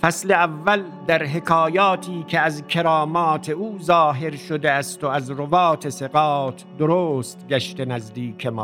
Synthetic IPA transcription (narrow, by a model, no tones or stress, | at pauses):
fæsle̞ævːæl | d̪æɾɦe̞kʰɒːjɒːt̪ʰiːkʰeæzkʲʰeɾɒːmɒːt̪ʰe̞uːzɒːɦe̞ɾʃod̪eæst̪oæzɾobɒːt̪ʰe̞seɣɒːt̪ʰd̪oɾoːst̪ɡʲæʃt̪enæzd̪iːkʰemɒ̰ː